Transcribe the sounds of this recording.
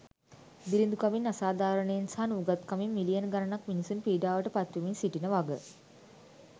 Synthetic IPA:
d̪ilind̪ukaminasaːd̪aːɾəɳəjensaɦnuɡat̪kamimːilijənɡanənakminisunpiːɖaːʋəʈəpat̪ʋiminsiʈinəʋaɡə

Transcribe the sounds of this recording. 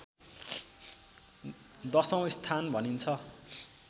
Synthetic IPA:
d̪ʌsʌ̃w̃ist̪ʰanbʱʌnint͡sʰʌ

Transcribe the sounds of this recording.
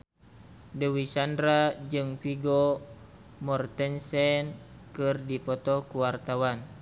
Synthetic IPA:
dəwisandɾad͡ʒɨŋfiɡɔ | mɔrt̪ɛnsɛn | kɨrdipɔt̪ɔkuwart̪awan

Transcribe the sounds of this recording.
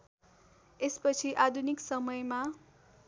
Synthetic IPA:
espʌt͡sʰiʔad̪ʱuniksʌmʌjma

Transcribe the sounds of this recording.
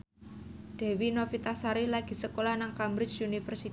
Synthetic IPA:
d̪̥ɛ̤winofit̪asaɾihlaɡ̥i̤səkolahnaŋkambɾɪt͡ʃunifərsit̪

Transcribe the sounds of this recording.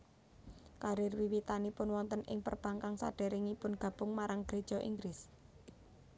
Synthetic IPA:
kaɾɪrwiwit̪anipʊnwɔnt̪ənʔɪŋpə̰rb̥aŋkaŋsa̰ɖ̥ɛ̤ɾɪŋipʊnɡ̥ä̤b̥ʊ̤ŋmaɾaŋɡ̥ɾed̥ʒ̥ɔ̤ʔḭŋɡɾɪs

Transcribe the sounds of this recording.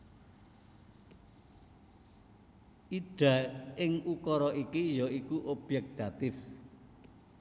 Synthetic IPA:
ʔiɖ̪̥a̤ɪŋukɔɾɔʔikijɔikuʔob̥jɛk̚d̪̥at̪ɪf

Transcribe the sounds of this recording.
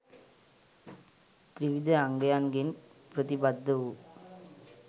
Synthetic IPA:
t̪ɾɪʋɪd̪ɐɐŋɡɐjaːnɡɪn | pɾɐt̪ibɐd̪ːɐʋu

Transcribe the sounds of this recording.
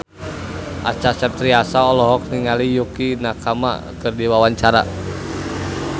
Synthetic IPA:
ʔa̰t͡ʃasərt̪ɾiasaɔlɔɦɔk̚niŋalijukinakʰama̰ | kɨrdiwawaɲt͡ʃaɾa̰

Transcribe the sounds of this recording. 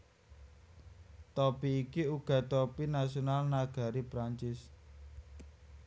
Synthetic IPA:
t̪ɔpiːkiuɡ̥ä̤t̪ɔpinasionalnaɡ̥ä̤ɾipɾaɲt͡ʃɪs

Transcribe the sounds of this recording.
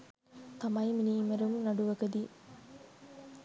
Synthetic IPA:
t̪ɐmɐjminiːmɐɾumnɐɖuʋɐɡɐd̪i

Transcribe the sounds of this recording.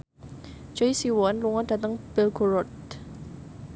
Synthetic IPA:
t͡ʃɔisiwɔnluŋɔd̥at̪əŋb̥ɛlɡoɾɔt̪

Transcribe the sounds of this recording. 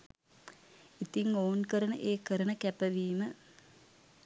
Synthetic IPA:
it̪iŋoːnkəɾənəʔeːkəɾənəkæpəʋiːmə

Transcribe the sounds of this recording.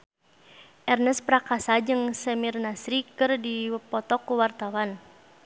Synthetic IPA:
ʔɛrnəspɾakasad͡ʒɨŋsɛmirnasɾikɨrdipɔt̪ɔkuwart̪awan

